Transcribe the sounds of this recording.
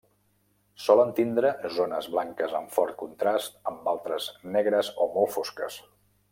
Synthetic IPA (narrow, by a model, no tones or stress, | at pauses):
sɔlənt̪ind̪ɾəzonəzβlaŋkəzəɱfɔɾt̪̚kunt̪ɾast̪əmbalˠt̪ɾəznɛɣɾəzomolˠfoskə̰s